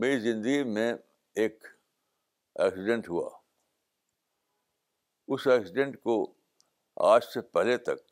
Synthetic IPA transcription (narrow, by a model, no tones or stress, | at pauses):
meːɾizɪ̃nd̪əɡimẽ | eːk | ɛ̰ːksɪɖẽɳʈɦua̰ː | ʊsɛːksɪɖẽɳʈko | a̰ːd͡ʒsepɛɦlet̪ɐk̚